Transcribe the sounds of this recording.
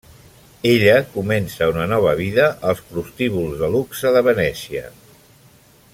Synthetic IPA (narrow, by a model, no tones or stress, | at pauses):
eʎəkumɛnsəunənɔβ̞əβ̞iðəʔəlˠspɾust̪iβulˠzðəluksəðəβənɛsiə̰